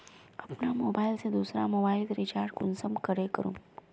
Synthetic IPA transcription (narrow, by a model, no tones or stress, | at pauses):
ɐpnamoːbaːɪlsed̪uːsɾa̰mobailɾit͡ʃaːɾɖkunsəmkəɾekəɾṵːm